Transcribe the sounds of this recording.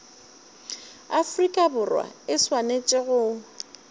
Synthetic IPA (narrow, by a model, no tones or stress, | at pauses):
afrikʼabʊrwa̰ɪswanet͡ʃʼɪɣʊ